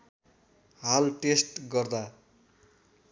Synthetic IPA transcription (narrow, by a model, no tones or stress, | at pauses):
ɦalʈesʈɡʌrd̪a